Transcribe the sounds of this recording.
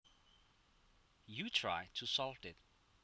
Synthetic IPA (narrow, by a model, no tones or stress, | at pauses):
jutʰɹ̥a̰ɪtʰusɔltɪt̚